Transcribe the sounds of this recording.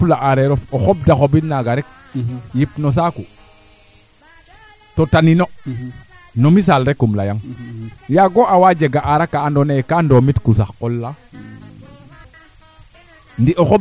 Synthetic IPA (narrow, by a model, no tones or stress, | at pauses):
plaʔaɾeɾɔfoxob̚daxobinaɡaɾɛk̚ | jipnos̬aku | totanino | nomis̬alɾɛkːumla̰jaŋjaɡoʔawad͡ʒeɡaʔaɾakːaːndonekandomitkusaxkolːa | ndiʔoxob